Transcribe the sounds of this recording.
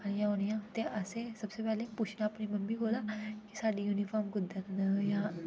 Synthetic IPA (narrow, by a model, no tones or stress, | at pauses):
əɽ̃jãɦoɽijãt̪eʔɐsesɐbsepɛːlepuːt͡ʃʰnaɐpnimɐnbʱiboːlakisaːɖijuːnifɔːɾmɡʊd̪ːət̪nəjã